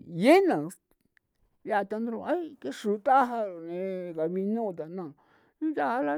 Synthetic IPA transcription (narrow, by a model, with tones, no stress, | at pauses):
je˦nã˨ | ja˦˨˧t̪a˧nd̪ɾũ˧˨a˦i˦ke˦ʃu˨˦t̪a˦ɦa˧ɾo˨nẽ˨˧ka˨βi˧nũ˦˧t̪a˨nã˦˨˦ | ja˦˨a˦la˧